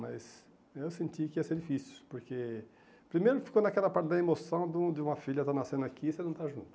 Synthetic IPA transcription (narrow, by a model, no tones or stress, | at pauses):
mɐjs | ewsẽnt̪ikɪiɐseɾd͡ʒifisu̥poɾke | pɾimejɾʊfi̥konɐkɛlɐpaɾt̪ɪd̪ɐemosɐ̃w̃d̪ũd̪ɪũmɐfiʎɐt̪anasẽnd̪ʊakʰisenɐ̃w̃t̪aʒũnt̪ʊ